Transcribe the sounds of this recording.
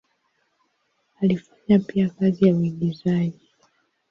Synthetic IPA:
alifaɲapiakazijauiɡizaʄi

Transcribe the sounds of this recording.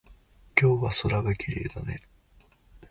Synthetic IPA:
kʲo̞ːβaso̞ɾaɡakʲiɾe̞ːd̪ane̞

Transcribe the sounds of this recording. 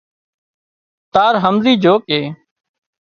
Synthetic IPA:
t̪aːɾɦəmziːd͡ʒoːkeː

